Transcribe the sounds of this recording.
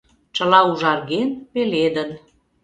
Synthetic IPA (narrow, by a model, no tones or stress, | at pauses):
t͡ʃə̆lɑuʒɑrɣenβeled̪ən